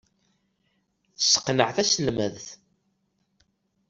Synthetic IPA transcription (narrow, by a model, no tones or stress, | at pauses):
θəsə̥qnəʕθæsəlməðθ